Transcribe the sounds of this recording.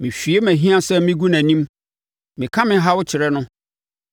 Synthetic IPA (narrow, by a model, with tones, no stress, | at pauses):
mɪ̃˨ɕᶣi˨e˦mæ̃˨ɦĩ˦ã˦sɛ˦mɪ̃˦ɡu˦nã˨nĩ˦m | mɪ̃˨kʰã˦mɪ̃˦ɦa˦wʊ˦t͡ɕʰɪ˨ɾɛ˦nʊ̃˦